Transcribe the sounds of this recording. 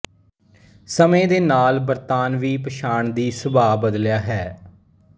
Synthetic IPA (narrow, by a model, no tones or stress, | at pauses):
səmẽːd̪eːnaːlbəɾt̪aːnʋiːpəʃaːɳd̪iːsʊbaːbəd̪ljaːɦɛː